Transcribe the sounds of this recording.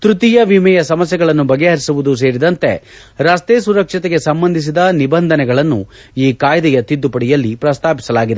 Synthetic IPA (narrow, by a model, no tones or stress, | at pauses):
t̪ɾut̪ijɐʋimɛjɐsɐmɐsjɛɡɐɭɐnːubɐɡeɦɐɾisuʋud̪us̬e̞ːɾid̪ɐnt̪e̞̰ | ɾɐst̪eːsuɾɐkʂit̪eɡe̞sɐmbɐnd̪ʱis̬id̪ɐnibɐnd̪ʱɐnɛɡɐɭɐnːu | iːkaːjd̪ɛjɐt̪id̪ːupɐɽijɐlːipɾɐst̪ʰaːpi̥sɐlaːɡid̪e